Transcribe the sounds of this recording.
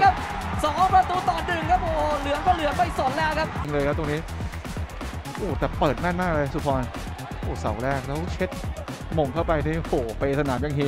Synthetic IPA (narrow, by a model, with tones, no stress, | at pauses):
kʰa˦˥p̚sɔː˩˦pɾa˧t̪uː˧˩t̪ɔː˨˩nɗɯ˨˩ŋkʰa˦˥p̚ʔoː˧˩lɯ˨˩˦əŋkɔː˦˧˩lɯ˨˩˦ənma˥˩jso˨˩˦nlɛː˦˥wkʰa˦˥p̚ːŋlɤː˧jkʰa˦˥t̪o˧ŋniː˦˥ | ʔoː˨˩t̪ɛː˨˩pɤː˨˩t̪̚na˥˩nmaː˥˩k̚a˧a˧jsu˧˩pʰɔː˧n | ʔoː˧˩sa̰˩˦wɾɛː˥˩k̚lɛː˦˥wt͡ɕʰe˦˥t̪̚ | mo˨˩ŋkʰa˥˩wpa˧jniː˦˥˩ʔoː˨˩pa˧jsa˧naː˩˦mja˧˩ŋɦiː˦˥